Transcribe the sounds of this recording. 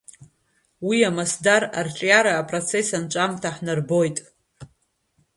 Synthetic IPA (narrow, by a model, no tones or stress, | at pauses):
wiamasdaɾart͡ʃʷʼjaɾaːpʼrot͡sʰe̞sant͡ʃʷʼamtʰaħnarbo̞jtʼ